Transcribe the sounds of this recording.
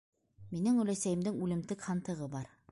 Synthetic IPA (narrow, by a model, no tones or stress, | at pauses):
minɘŋɵ̆læsæjɘ̆md̪ɘŋʉlɘ̆mt̪ɘkhɑnt̪ɤ̆ʁɤbɑɾ